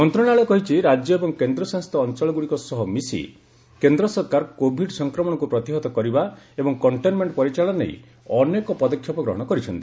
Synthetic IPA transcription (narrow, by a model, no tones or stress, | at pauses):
mɔnt̪ɾɔɽ̃aɭekɔɦit͡ʃʰiɾad͡ʒjɔebɔŋkend̪ɾɔsãŋst̪ʰɔːnt͡ʃɔɭɔɡuɽikɔsɔɦɔmisḭ | kend̪ɾɔsɔɾkaɾkobʱiɖsɔŋkɾɔmɔɽ̃ɔkupɾɔt̪iɦɔt̪ɔkɔɾibaebɔŋkɔɳʈenmeɳʈpɔɾit͡ʃaɭɔnḛj̰ | ɔnekɔpɔd̪ɔkʰːjɔpɔɡɾɔɦɔɽ̃ɔkɔɾit͡ʃʰɔnt̪i